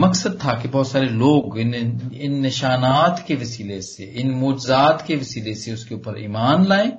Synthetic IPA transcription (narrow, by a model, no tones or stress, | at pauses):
mɐksəd̪̚t̪ʰakebɔːt̪saːɾeloːɡɪnɪnːɪʃaːnaːt̪keʋɐsiːleseʔɪnmoːd͡ʒɪzaːt̪keʋɐsiːleseʊskeuːpəɾḭːmaːnlaːẽː